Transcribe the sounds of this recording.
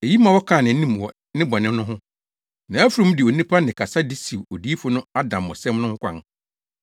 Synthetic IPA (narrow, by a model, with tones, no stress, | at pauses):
e˨ji˦mã˨wɔ˦kʰã˦˨nɪ̃˨n̩˦nĩ˦m˨wɔ˨ | nɪ̃˦bɔ˨nɪ̃˦nʊ̃˦ɦʊ̃˦ | nã˨æ˦fu˨ɾũ˦m˦dɪ˨o˨nĩ˦pʰa˦nɪ̃˨kʰa˨sa˦di˦si˨wo˨di˦i˦fʊ˦nʊ̃˦a˦dã˨m˨ɔ̰˨sɛ̃˦mnʊ̃˦ŋ̩˦kʰʷã̰˨ŋ